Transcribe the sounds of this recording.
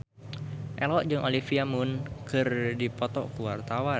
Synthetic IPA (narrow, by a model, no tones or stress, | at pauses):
ʔɛlɔʔd͡ʒɨŋʔolifiamʊnkɨrdipɔt̪ɔ̰kuwart̪awa